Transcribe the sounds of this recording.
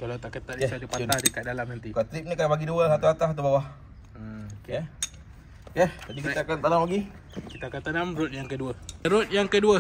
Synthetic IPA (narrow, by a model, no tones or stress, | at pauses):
kalat̪aʔkət̪aʔdijɛadipaahdikaʔ̪̚dalamnant̪ikat̪ɾip̚nikapaɡiduəsat̪uat̪aɦt̪ubawah | əoke | ket̪apikit̪aakant̪anamlaɡi | kit̪akant̪anamɾʊt̪̚jaŋkəduəɾot̪̚jaŋkəduə